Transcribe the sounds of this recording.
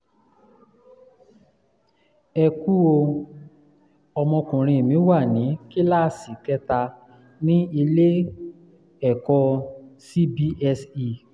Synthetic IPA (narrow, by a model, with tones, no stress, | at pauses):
ɛ˧ku˦o˧ | ɔ˧mɔ̃˧kũ˨ɾ̃ĩ˧e˨mĩ˨˦wa˦˨nĩ˨˦ki˦la˦˨si˨kɛ˦ta˧ | nĩ˦i˧le˦ | ɛ˨kɔ˧si˦bi˦ɛ˧si˧˨